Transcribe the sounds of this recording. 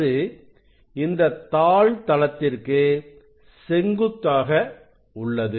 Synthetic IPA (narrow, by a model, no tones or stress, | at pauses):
ɯ | ɪnd̪ɐt̪ːaːɭt̪ɐlɐt̪ːɪrkɯ | sɛŋɡɯt̪ːaːɣɐ | ʊɭːɐðɯ